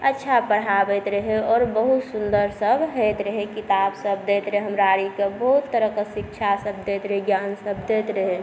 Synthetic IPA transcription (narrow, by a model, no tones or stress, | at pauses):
ətːʃʰapəɽ̤abet̪ɾəɦeɔːɾbəɦut̪sund̪əɾsəbʱɦet̪ɾəɦekit̪aːbsəbd̪et̪ɾəɦeɦəmɾaɾikebəɦut̪ːəɾəkəsɪk̚t͡ʃʰasəb̚d̪et̪ɾəɦeɡjaːnsəb̚ʱd̪et̪ɾəɦe